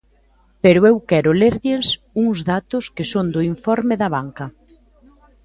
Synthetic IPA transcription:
peɾʊewkɛɾʊleɾʎɪs | uŋzðat̪ʊskɪsond̪ʊiɱfɔɾmɪðɐβaŋkɐ

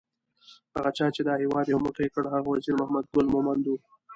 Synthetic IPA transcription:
haɣat͡ʃɑt͡ʃed̪ɑhewɑd̪jamʊʈəkəɽɦaɣawaziɾmahmad̪̚ɡʊlmomand̪u

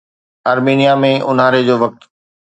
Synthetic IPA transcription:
ɐɾmiːnijamẽʔʊnaːɾed͡ʑoːʋɐk̚t̪

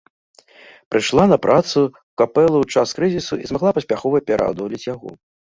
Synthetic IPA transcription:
pɾɨʂlˠanɐpɾʔat̪su | kapɛlˠuwt͡ʂaskɾɨzʲisuʔizmaɣlˠapɐsʲpʲaxɔvɐpʲɛɾa̰d̪ɔlʲit͡sʲjaɣɔ̰

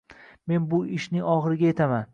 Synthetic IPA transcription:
me̞nbʊɪʃnɪŋɒχɨɾɪɡʲajet̪ʰaman

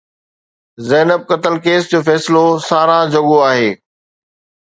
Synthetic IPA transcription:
zɛːnəb̚kɐt̪əlkeːsd͡ʑoːfɛːsɪlosaːɾad͡ʑɐɠoaːɦeː

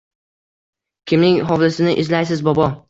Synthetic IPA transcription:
kʲʰɪmnɪŋɦɒvlɪsɪnɪʔɪzlajsɪzbɒbɒ

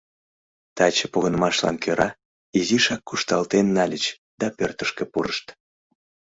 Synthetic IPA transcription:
t̪ɑt͡ɕəpoɣənəmɑʃlɑ̰nkøɾɑ | iziʃɑkːuʃt̪ɑlt̪enːɑlʲət͡ɕ | d̪̥ɑpørt̪əʃkə̆puɾəʃt̪

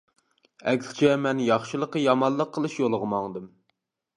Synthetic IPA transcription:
ɛkʲsʲt͡ʃʰɛmɛnjɑχʃɨlˠəqːəjɑmɑnˠlˠəqʰːəlˠɨʃjolˠʁəmɑŋd̪ɨm

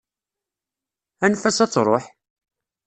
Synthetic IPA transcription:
ænfæsæt͡sːɾˤoħ

